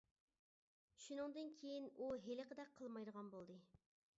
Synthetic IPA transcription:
ʃunɨŋd̪ɨnkʲʰejinuɦelɪqʰəd̪ɛk̚ʲqʰəlˠmɑjd̪əʁɑnbolˠd̪ɨ

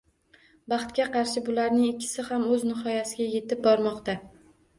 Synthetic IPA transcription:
bɑχt̪̚kʲaqɑɾʃɪbʊlaɾnɪŋɪkʲʰːɪ̥sɪhamɵznɪɦɒjasɪɡʲaje̞t̪ɪp̚bɒɾmɒqt̪a

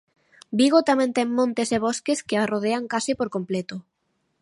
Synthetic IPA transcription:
biɣot̪amɛ̃nt̪ɛŋmõnt̪eseβ̞oskeskearoð̞eaŋkasɪpoɾkomplet̪o

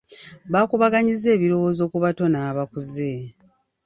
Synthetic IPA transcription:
βaːkuβaɡaɲize̞ːβiɾo̞wo̞ːzo̞ːkuβato̞naːβakuze̞

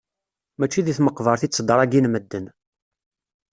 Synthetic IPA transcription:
mæt͡ʃːiðiθməqːvəɾˤθisd̪əɾˤæɡinməd̪ːən

